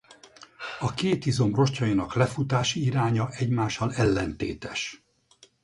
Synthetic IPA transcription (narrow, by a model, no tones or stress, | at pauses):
ɒkeːt̪izo̞mro̞ʃcɒjinɒklɛfut̪aːʃiiɾaːɲɒʔɛɟmaːʃːɒlɛlːɛnt̪eːt̪ɛʃ